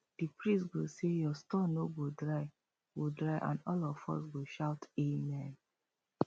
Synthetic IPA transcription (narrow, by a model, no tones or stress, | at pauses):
d̥ipɹĩsɡosejɔstɔ̃noɡodɹaɪ | ɡodɹaɪʔã̰nɔlɔfɔ̰sɡoʃaʊtemɛ̃n